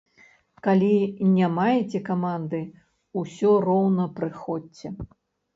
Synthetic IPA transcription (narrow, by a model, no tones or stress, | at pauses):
kalʲinʲamajɛt͡sʲɛkamand̪ɨ | usʲɔrɔwnɐpɾɨxɔt͡sːʲɛ